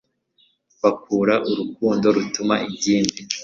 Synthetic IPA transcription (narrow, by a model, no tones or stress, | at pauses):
βakuːɾaʔuɾukuːndo̞ɾutumaʔibɟiːndi